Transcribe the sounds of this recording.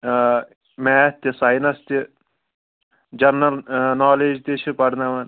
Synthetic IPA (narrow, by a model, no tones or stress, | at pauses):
meːt̪ʲisɐjnɐst̪i | d͡ʒɐɾnɐlnaːleːd͡ʒt̪it͡ʃʰipɐɾnɐʋɐn